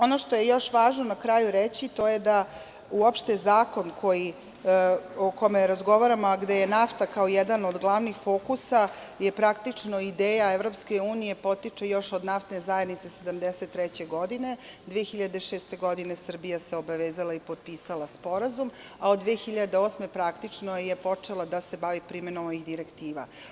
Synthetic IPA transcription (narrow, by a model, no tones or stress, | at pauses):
o̞noʃt̪o̞je̞jo̞ʃʋaːʒnonakɾajuɾet͡ɕit̪o̞je̞d̪a | uopʃt̪ezaːko̞nkʰo̞ji | okomeɾazɡo̞ʋaɾamoaɡd̪ejenaft̪akaojɛd̪anod̪ɡlˠaʋnixfo̞kusa | jepɾakt̪it͡ʂno̞id̪eːjaevɾo̞pskeuːnije̞po̞t̪it͡ʂejo̞ʃod̪naft̪nezajed̪nit̪se̞se̞d̪amd̪eset̪ːɾɛt͡ɕe̞ɡo̞d̪ine̞d̪ʋeexiʎad̪e̞ʂeːst̪e̞ɡo̞d̪ine̞sr̩bijaseo̞baʋeːzalaipo̞d̪̚piːsalaspo̞ɾazum | aod̪d̪ːʋeexiʎad̪eoːsme̞pɾakt̪it͡ʂnojepo̞t͡ʂe̞lˠad̪ase̞baʋipɾimenomoixd̪iɾekt̪iːʋa̰